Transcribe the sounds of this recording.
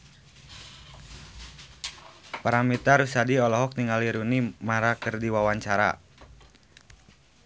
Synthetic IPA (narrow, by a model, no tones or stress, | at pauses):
paɾamit̪aɾusadiɔlɔɦɔk̚t̪iŋɡaliɾunimaɾakərdiwawaɲt͡ʃaɾa̰